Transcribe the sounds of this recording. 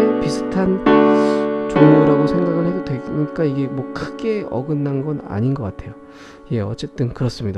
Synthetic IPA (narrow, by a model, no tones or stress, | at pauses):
episʰɯ̥tʰan | t͡ɕoŋuɾaɡosʰe̞ŋɡaɡɯɭhe̞dodwe̞ɲik͈aiɡe̞mwʌkʰɯɡe̞ʌ̰ɡɯnːanɡʌna̰ɲinɡʌk͈atʰe̞jo | je̞ʌ̰t͡ɕ͈e̞t͈ɯnkɯɾʌs͈ɯmɲida